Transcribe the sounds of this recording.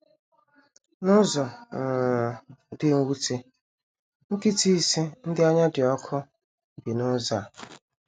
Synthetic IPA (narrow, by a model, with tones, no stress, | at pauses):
nʊ˦zɔ˨ŋ̩˨ | dɪ˦ŋ̩˦wu˦te˦ | ŋ̩˦ki˦ti˦si˦n̩˦dɪ˦a˦ɲa˦dɪ˨ɔ˦kʰʊ˦˨ | bi˨nʊ˦za˨